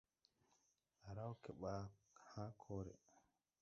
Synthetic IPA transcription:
aɾawkɛɓa | haːkʰɔːɾɛ̰

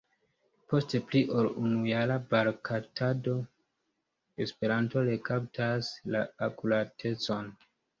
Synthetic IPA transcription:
po̞stepliʔo̞lunujalabaɾkʰatado̞ | e̞spe̞ɾanto̞ɾekap̚tʰaslaakulatʰe̞t͡so̞n

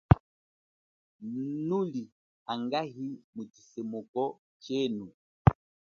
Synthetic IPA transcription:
nuli | aŋɡaɦimutisɛmɔkɔ | t͡ʃɛnu

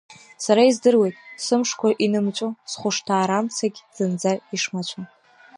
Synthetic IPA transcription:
saɾaizdɨrwejtʼsɨmʂkʷʰaʔinɨmt͡ʃʷʼosχʷʊʂtʰaːɾamt͡sʰaɡʲz̥ɨnd͡zaiʂmat͡ʃʷʰa

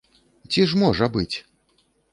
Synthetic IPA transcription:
t͡sʲiʐmɔʐɐbɨt͡sʲ

